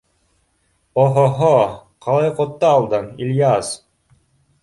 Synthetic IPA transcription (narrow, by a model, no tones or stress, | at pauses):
oɦoɦoqʰɑlˠɑjqot̪ːɑːlˠd̪ɤnilʲjas